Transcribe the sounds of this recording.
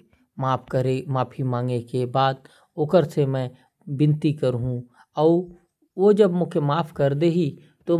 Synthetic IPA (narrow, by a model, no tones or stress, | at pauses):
maːpʰkəɾemaːpʰimãːŋɡnekebaːd̪̚ | oːkəɾsemɛ̃ | bɪ̃nt̪ikəɾɦũ | ɔː | ʋod͡ʒɐbmʊkʰemaːpʰkɐɾd̪eɦi | t̪o